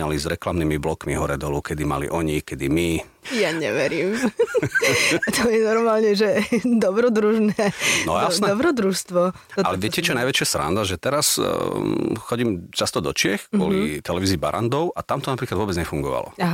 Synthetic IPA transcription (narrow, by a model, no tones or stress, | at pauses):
ɲalizɾɛklamnimiblɔkmiɦɔɾɛd̪ɔlukɛd̪ima̰lḭʔɔɲikɛd̪imi | jaɲɛ̰ʋɛɾiːm | at̪ɔjɛnɔɾmaːlɲɛʒɛd̪ɔbɾɔd̪ɾuʒnɛɛnɔjasd̪nɛɔbɾɔd̪ɾuʃst̪ʋɔ | alɛʋɪɛcɛt͡ʃɔɛnajʋɛt͡ʃɪasɾa̰nd̪aʒɛt̪ɛɾas | xɔɟimt͡ʃast̪ɔd̪ɔt͡ʃɪɛxkʊɔ̰lit̪ɛlɛʋiːziːba̰ɾa̰nd̪ɔʊʔat̪amt̪ɔnapɾiklad̪ʋʊɔbɛd͡zɲɛfuŋɡɔʋa̰lɔ̰a